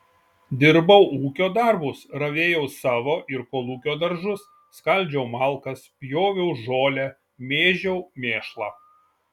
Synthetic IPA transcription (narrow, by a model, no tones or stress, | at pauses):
d̪ʲɪɾbɐʊuːkʲoːd̪ɐɾbʊsɾɐʋʲeːjɛʊsɑːʋoːʔɪɾkoːlˠuːkʲoːd̪ɐɾʒʊsːkɐlʲˑd͡ʒʲɛʊmɑˑlˠˑkɐspʲjoːʋʲɛʊʒoːlʲæ | mʲeːʒʲɛʊmʲeːʃlˠɑː